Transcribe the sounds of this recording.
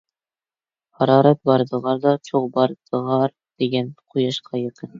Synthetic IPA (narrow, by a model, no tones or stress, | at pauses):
hɑɾɑɾɤp̚bɑɾd̪ɤ̆ʁɑɾd̪ɒt͡ɕʰuqbɑɾd̪ɤ̆ʁɑɾ | d̪̥iɡænqʰujɑʃqʰɑjɤ̆qɤn